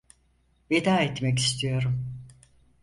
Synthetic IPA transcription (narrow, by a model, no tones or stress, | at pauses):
ved̪aːɛt̪mɛcist̪ʰijo̞ɾum